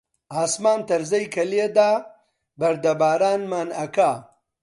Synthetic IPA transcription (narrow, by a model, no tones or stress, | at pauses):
aːsmaːnt̪ɐɾzɐjkɐljed̪aː | bɐɾd̪ɐbaːɾaːnmaːnɐkaː